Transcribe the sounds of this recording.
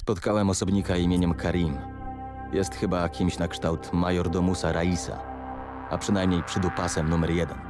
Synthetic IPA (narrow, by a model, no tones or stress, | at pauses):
spɔt̪kawɛmɔsɔbɲikaimʲeɲɛmkʰaɾʲim | jɛst̪xɘbakʲimɕnakʂt̪awt̪majɔɾd̪ɔmusaɾaisa̰ | a̰pʂɘnajmɲejpʂɘd̪upasɛmnumɛɾjɛd̪ɛn